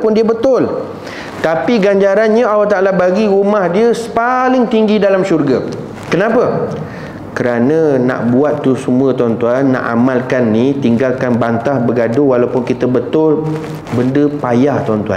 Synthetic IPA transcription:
pʊndiəbət̪ʊl | t̪apiɡaɲd͡ʒaɾanɲaawaht̪aʔalabaɡiɾumahdiəsə̥palɪŋt̪iŋɡidalamʃurɡa | kənapə | kəɾanə̃nã̰ʔbuat̪ːusəmũə̃t̪uant̪uanːã̰ʔa̰malkanːit̪iŋɡalkanbant̪ahbəɡadowalawpʊnkit̪əbət̪ʊl | bəndəpajaht̪uant̪ua̰n

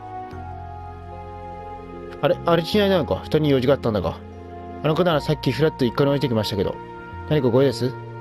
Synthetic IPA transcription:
aɾe̞ʔaɾet͡ɕinainanokaçɯ̥t̪oɲ̟ijo̞ːʑikat̪ːãnd̪a̰ka̰ | ano̞kanaɾasakʲːiɸɯ̟ɾat̪ːoikːanʲeoet̪e̞kʲimaɕi̥t̪ake̞d̪o̰ | naɲikaɡo̞ed̪e̞sɨ

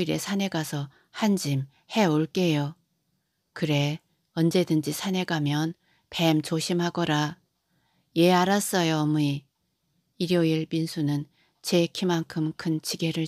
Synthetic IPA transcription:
iɾe̞̰sʰane̞ɡasʰʌ | hand͡ʑim | he̞oɭk͈e̞jo | kɯɾe̞ | ʌnd͡ʑe̞dɯnd͡ʑisʰane̞ɡamjʌn | pe̞mt͡ɕoɕʰimhaɡʌɾa | je̞aɾas͈ʌjomui | iɾjʌiɭpinsʰunɯn | t͡ɕe̞kʰimaŋkʰɯmkʰɯnt͡ɕʰiɡe̞ɾɯ

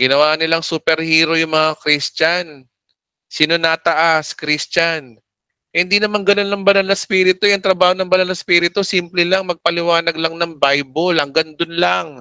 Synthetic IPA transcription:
ɡɪnɐwaːʔnɪlaŋsuːpɛɾhiːɾo̞jʊŋmɐŋakɾist͡ʃan | sinonat̪ɐʔaskɾist͡ʃan | hɪnd̪inɐmaŋɡɐno̞nːɐŋbɐnalnɐspiːɾɪt̪ojɐŋt̪ɾɐbaːho̞nɐŋbɐnalnɐspiːɾɪt̪osiːmplɛlaŋmɐɡ̚pɐlɪwaːnɐɡ̚lɐŋnɐŋbajbolhɐŋɡɐnd̪onlaŋ

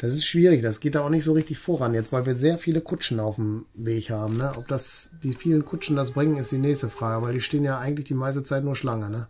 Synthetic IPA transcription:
d̥asɪstʃv̥iːʁɪçd̥asɡ̥eːt̚daːʊxnɪçtz̥oːʁɪçtɪçfoːʁanjɛt͡stv̥aɪlviːɐzeːɐfiːləkʰʊt͡ʃn̩aʊfm̩veːçhaːbm̩nəʔɔp̚d̥asd̥iːfiːlənkʰʊt͡ʃn̩das̬bʁɪŋənɪstd̥iːnɛːçstəfʁ̥aːɡəvaɪldiːʃteːənjaːʔaɪɡŋ̩tlɪçd̥iːmaɪs̬tət͡saɪtnuːɐʃlaŋənə

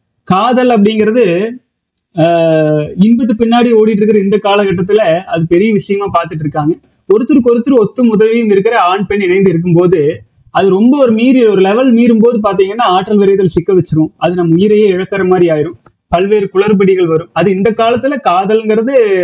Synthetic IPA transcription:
kaːðɐlɐp̬ːɐɽɪŋɡɪɾɐðɯ | ɪnbɐt̪ːɯpɪɳːaːɽioːɽiʈ̬ːɪɾɯkːɪɾɐɪnd̪ɐkːaːlɐkɐʈːɐt̪ːɯlɐɐðɯpɛɾɪjɐʋɪʂɐjɐmaːpaːɾt̪ɯʈːɪɾɯkːaːŋɡɐ | kɔɾɯt̪ːɯɾɯkɔɾɯt̪ːɯɾɯɔt̪ːɯmʊðɐʋɪjɯmɪɾɯkːɪɾɐaːɳpɛɳɪnɐɪnd̪ɯɪɾɯk̬ːɯmpoːðɯ | ɐðɯɾɔmbɐɔɾɯmiːɾilɔɾɯlɛʋɐlmiːɾɯmpoːðɯp̬aːɾt̪̬iːŋɡɐnːaːaːʈːɐlʋɪɾɐɪt̪ːɪlsɪkːɐʋɛt͡ʃːɯɾʊ̃ɐðɯnɐmːɐʊjɪɾɐjeɛɻɐkːɐɾɐmaːd̪ɾiaːjɪɾɯ̃m | pɐlʋeːɾɯkʊɭɐɾpɐɽɪɣɐɭʋɐɾɯ̃mɐðɯɪnd̪ɐkːaːlɐt̪ːɯlɐkaːðɐlŋɡɪɾɐðɯ

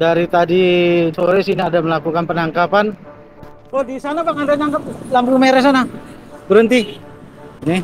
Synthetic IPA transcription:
daɾit̪adisoɾɛsiniadaməlakukanpənaŋkapan | odisanapaŋadanaŋkap̚lamp̬umeɾɛsana | bəɾənt̪i | nɪ

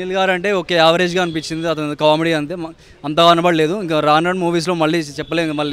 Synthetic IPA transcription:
ilɡaːɾɐɳʈe̞ːoke̞ːaːʋɐɾe̞ːd͡ʒɡaːɐnipiɲt͡ʃːind̪iɐt̪̬ɐnkaːmiɽiːɐnt̪e | ɐnt̪ɐɡaːɐnɐbɐɽɐleːd̪uiŋkɐɾaːnɖɐɳmuːʋiːs̬lo̞ːmɐɭːiːt͡ʃɛpːɐleːnd̪umɐɭːi

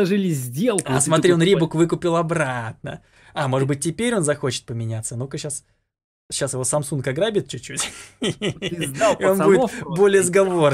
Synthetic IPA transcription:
aʐɨlʲɪzʲdʲelˠkʊasmɐt̪ɾʲio̞nɾʲibukvɨkʊpʲɪlˠɐbɾat̪̚nə̰ | amo̞ʐɨd̪bɨt̚ʲtʲːɪpʲeɾʲo̞nzɐxo̞t͡ɕɪ̥t̪̚pəmʲɪnʲat̪sənokəɕas | ɕasjɪvo̞sɐmsunkɐɡɾabʲɪt̪̚t͡ɕːʊt͡ɕːutʲ | o̞nudʲɪtbolʲɪəzɡɐvo̞

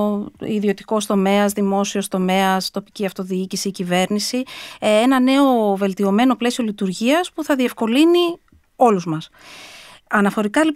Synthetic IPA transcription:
iðio̞t̪i̥ko̞st̪o̞me̞ɐzðimo̞sio̞st̪o̞me̞ɐst̪o̞pi̥ciɐft̪o̞ðiicisiːcive̞ɾnisienɐne̞o̞ve̞lt̪io̞me̞no̞ple̞siolit̪uɾʝiɐspuθɐðie̞fko̞lini | o̞luzmɐs | ɐnɐfo̞ɾikɐlip

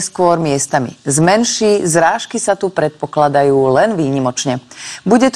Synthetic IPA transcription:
skʊɔɾmɪɛst̪amḭzmɛnʃiːzɾaːʃkisat̪upɾɛt̪̚pɔklad̪ajuːlɛnʋiːɲimɔt͡ʃɲɛbuɟɛt̪

